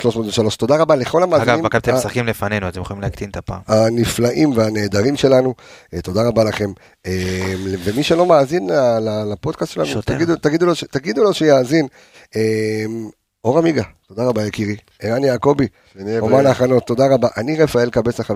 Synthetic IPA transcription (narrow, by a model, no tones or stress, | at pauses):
ʃlo̞ʃmot̪veʃalo̞ʃt̪o̞daʁabale̞χo̞lamaːiɡavimkt̪esakimlefanenuat̪emjexolimleakt̪int̪apa̰ːmaniflaʔimveane̞ːd̪aʁimʃe̞lanut̪o̞daʁabalaχe̞m | emlevemiʃelo̞maːzinlalalapo̞d̪kast̪ʃe̞lanut̪aɡid̪ut̪aɡid̪uloʃet̪aɡid̪ulo̞ʃejaːzin | em | o̞ʁamiɡat̪o̞d̪aʁabajekiʁi | eʁanjaːko̞bi | omalaːχano̞t̪ːo̞daʁabaʔaniʁefae̞lkabe̞saχa